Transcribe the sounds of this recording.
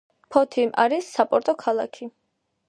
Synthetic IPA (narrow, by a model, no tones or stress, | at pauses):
pʰɔt̪ʰimʔa̰ɾisːapʼɔɾt̪ʼɔkʰalˠa̰kʰi